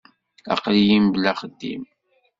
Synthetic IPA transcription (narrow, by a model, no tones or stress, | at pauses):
ɑ̰qlijimblæχəd̪ːḭm